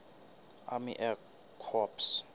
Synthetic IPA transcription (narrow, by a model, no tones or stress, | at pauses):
a̰mḭʔɛ | kʰɔps